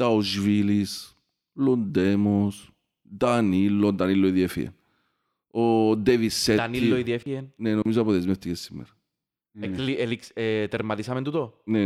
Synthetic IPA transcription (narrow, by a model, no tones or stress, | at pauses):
d̪aozvilis | lond̪emos | d̪anilːod̪aniloiðjefḭḛn | od̪evisɛanillːoiðefiennenõmis̬apoðezmet̪ikesimːḛɾ | elielikset̪eɾmaðisamẽnt̪ut̪one